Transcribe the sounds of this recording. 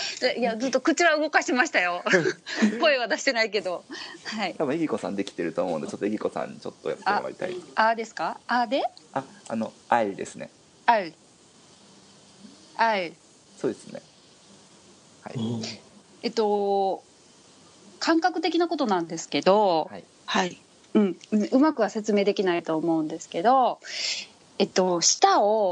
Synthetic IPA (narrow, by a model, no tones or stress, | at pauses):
aʔiad͡zɨt̪ːo̞kɯ̟t͡ɕiβaɯ̟ɡo̞kaɕimaɕi̥t̪ajo̞ | ko̞eβ̞ad̪aɕi̥t̪e̞naike̞d̪o̞hait̪abɯ̟̃eɡʲiko̞sã̰nd̪e̞kʲi̥t̪eɾɯt̪oːmoɯ̃nd̪et͡ɕot̪ːoeɡʲiko̞sã̰ɲ̟ːit͡ɕo̞t̪ːo̞̰ja̰t̪ːa̰ma̰ɾʲit̪a̰iad̪e̞sɨ̥kaad̪e̞aano̞aid̪e̞sɨne̞ | ai | ai | so̞ːd̪esɨne̞̰ | ha̰ḭ | e̞t̪o̞ | kʰãŋkakɯ̟t̪e̞kʲinako̞t̪o̞nãnd̪e̞sɨ̥ke̞d̪o̞hai | hai | ɯ̟̃ɴɯ̟̃ɯ̟makɯ̟βase̞t͡sɨme̞ːd̪e̞kʲinait̪o̞ːmo̞ɯ̟̃nd̪e̞sɨ̥ke̞d̪o̞ | e̞t̪ːo̞ɕi̥t̪ao